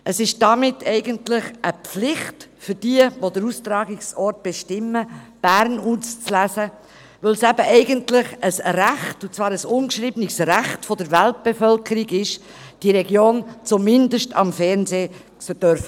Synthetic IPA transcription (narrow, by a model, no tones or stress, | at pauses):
ʔəsɪʃd̥ɑmɪtʰːɛɪɡəntlɪχʔəpflɪχtfʏɾd̥iəvodəɾustɾɑːɡɪksɔrt̚b̥eʃtɪmːəb̥æɾnuːst͡slæzə | vœlsæbəʔɛɪɡəntlɪχəsræχtut͡svɑːɾəsʊnkʃɾiːbənɪksræχtfɔdəɾvælt̚b̥efœlkʰəɾiɡɪʃ | d̥iɾɛɡjoːnt͡sʊmɪndəʃtɑ̰mfɛɾnzeː | səd̥œɾf